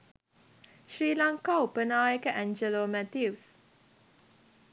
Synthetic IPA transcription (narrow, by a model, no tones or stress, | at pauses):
ʃɹilãŋkopənawɛkəʔɛ̃nd͡ʒəlomɛt̪jus